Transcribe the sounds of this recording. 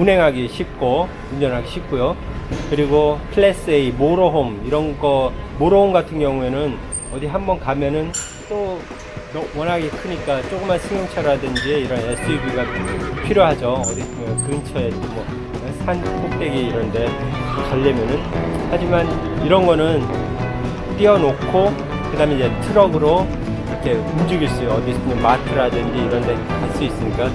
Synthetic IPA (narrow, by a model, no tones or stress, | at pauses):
unɦe̞ŋɦaɡiɕʰip̚k͈o | ud͡ʑʌnɦaɡiɕʰip̚k͈ujokɯɾiɡopʰɯɭes͈ɯeimoɾoɦomiɾʌnɡʌmoɾoomɡatʰɯŋɡjʌŋue̞nɯn | ʌdiɦambʌnkamjʌnɯn | t͈o | nʌwʌnɦaɡikʰɯɲik͈at͡ɕ͈okɯmansʰɯŋjoŋt͡ɕʰaɾadɯnd͡ʑieiɾʌnesʰibiɡapʰiɾjoɦad͡ʑʌʌdis͈ɯmkɯŋt͡ɕʰʌet͡ɕiɡɯmːwʌ | sʰansʰeŋt͈eɡiiɾʌnnde̞kaɭːemjʌnɯnhad͡ʑimaniɾʌnɡʌnɯn | t͈iʌnokʰo | kɯdaːmenid͡ʑe̞tʰɯɾʌɡɯɾo | iɾʌkʰe̞umd͡ʑɯɡiɭs͈ujoʌdis͈ɯmimatʰɯɾadɯnd͡ʑiiɾʌndeekaɭs͈uis͈ɯɲik͈a